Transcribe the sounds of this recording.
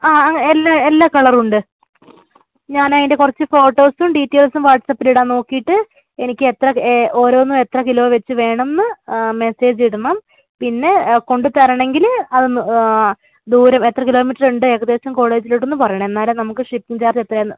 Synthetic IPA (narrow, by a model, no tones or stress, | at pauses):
aːɐŋːelːaelːaːkɐɭɐruɳɖɨ | ɲaːnɐðindekurɐt͡ɕːɨfo̞ːʈːo̞ːsumɖiːʈːe̞ːlsumʋaːʈsɐpːiliɽaːno̞ːkːijiʈːɨ | enikʲːɨet̪rɐo̞ːɾo̞ːnːume̞t̪rɐkilo̞ːʋet͡ɕːɨʋe̞ːɳɐmenːɨme̞se̞ːd͡ʑiiɽunːɐm | pinːe̞ko̞ɳɖɨt̪ɐɾɐɳe̞ŋɡilɐðɨn | d̪uːɾɐme̞t̪rɐkilo̞ːmiʈːɐruɳɖɨeːɣɐðe̞ːsɐmko̞ːɭe̞ːd͡ʑiliʈːonːupɐrɐjɐɳɐme̞nːaːlmnɐmukːɨʂipːiŋt͡ɕaːrd͡ʑet̪rɐenːɨ